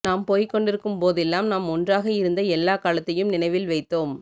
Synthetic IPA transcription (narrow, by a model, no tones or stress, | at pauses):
naːmpoːjkːɔɳɖɪɾɯkːɯmpoːðɛlːaːmnaːmɔndraːɣɐɪɾɯnd̪ɐɛlːaːkaːlɐt̪ːɐjɯmnɪnɐɪʋɪlʋɐɪt̪ːoːm